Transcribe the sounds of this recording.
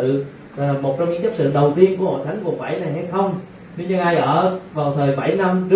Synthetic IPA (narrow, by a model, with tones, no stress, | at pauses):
ɨ̰˧˨˩ | mo˨˩t̚t͡ɕɔ˧ŋ͡mɲɨ̰˧˥˦t͡ɕə˦˥t̚sɨ̰˧˨ɗə˨˩wt̪i˧ənku˧˩əho̰˧˨t̪ʰa˨˦jŋ̟ku˨˩ətfa̰˧˩jna˨˩jɦa˧jxə˧wŋ͡m | ɲɨ˧ɲɨ˧ŋʔaː˧jʔəː˧˩va˨˩wt̪ʰəː˨˩jɓa˧˩jna˧mz